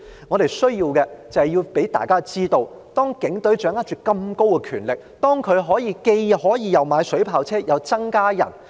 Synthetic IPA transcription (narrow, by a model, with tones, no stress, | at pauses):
ŋɔː˨˧ɾe˨jsɵ˥ɥjiː˧wkɛː˧t͡sɐ˨˩hɐ˨jiː˧wpe˨˥jt̪a̰ː˨jkaː˥t͡siː˥t̪o˧w | t̪ɔː˥ŋkɪ˨˥ŋt̪ɵ˨˥ɥt͡ʃœː˨˥ŋa˥t͡ʃyː˨kkɐ˧mko˥wkɛ˧kʰyː˨˩nlɪ˨k̚t̪ɔː˥ŋkʰɵ˨˧ɥɦɔː˨˥jiː˨˧ke˧jhɔː˨˥jiː˨˧jɐ˨wmaː˨˧jsɵ˨˥ɥpʰaː˨wt͡sʰɛː˥jɐ˨˧wt͡sɐ˥ŋkaː˥jɐ̰˨˩n